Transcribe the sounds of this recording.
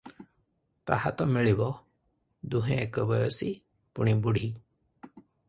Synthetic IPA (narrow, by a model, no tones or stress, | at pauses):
t̪a̰hat̪ɔmiɭibɔ | d̪uɦẽekɔbɔjɔsi | puɽ̃ibuɽʱi